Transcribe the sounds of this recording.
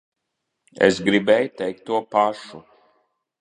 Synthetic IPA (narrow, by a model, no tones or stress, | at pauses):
ḛsɡɾibɛjt̪ɛjk̚t̪ːuɔpaʃu